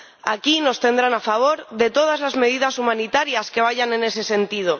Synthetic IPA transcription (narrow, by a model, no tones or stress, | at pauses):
akino̞st̪e̞nd̪ɾanafaβ̞o̞ɾðe̞t̪o̞ð̞azlazme̞ð̞iðasumãnit̪aɾjaskeβ̞aʝane̞ne̞se̞se̞nt̪ið̞o